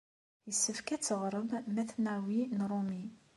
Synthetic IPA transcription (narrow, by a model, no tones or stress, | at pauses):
jəsːəfkæt͡sːəʁɾˤəmːæθnæwinɾˤumi